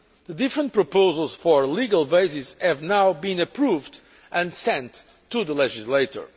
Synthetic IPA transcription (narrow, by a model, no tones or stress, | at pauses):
ðədɪfɹə̃nt̚pɹɔpoʊzəlˠz̥fɔɹliɡalˠbeɪsishɨvnawbĩnɨpʰɹuvd | ʔɨ̃nsɛ̃ntʰː | uðəlɛʒizleɪtə̰˞